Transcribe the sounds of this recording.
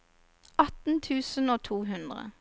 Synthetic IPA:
ɑt̪n̩t̪ʰʉːsən̩oːt̪ʰuːɦʉnd̪ʁə̰

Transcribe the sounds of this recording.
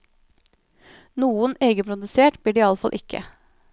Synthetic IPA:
nuːəneːɡəpʰɾʊd̪ʉseːʈb̥liːɖiːɑləfɑlʔɪkʰə̰

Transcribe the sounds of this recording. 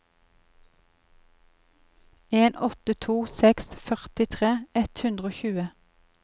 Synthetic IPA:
eːnʔɔt̪ət̪ʰuːsɛksfœʁt̪ɪt̪ʰʁeːɛt̪hʉnd̪ʁoːçʉːə

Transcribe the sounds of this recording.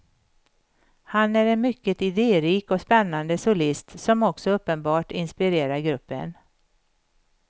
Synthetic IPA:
hanæɾɛnmʏkːət̪ɪd̪eːɾiːkɔspɛnːand̪əsʊlɪst̪sɔmɔksɔɵpːənbɑːʈɪnspɪɾeːɾaɾɡɾɵpːə̰n

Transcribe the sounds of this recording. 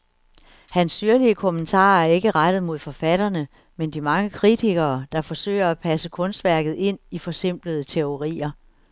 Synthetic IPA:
hænsːyɐliəkʰomənt͡sʰɑ̰̈ːæɐe̝ɡ̥əʁad̥ð̩ˠmo̝ð̞̰ˠfɒ̽fæɾ̥ɐnə | mend̥imɑ̈ŋəkʰʁit͡sʰiɡ̥ɐːd̥ɑ̈fɒ̽sø̰ɪɐæpʰæsəkʰɔ̽nsd̥ʋæɐ̰ɡ̥ð̞̩ˠe̝n̰ifɒ̽se̝m̰b̥ləð̞ˠət͡sʰe̝o̝ʁḭːɐ

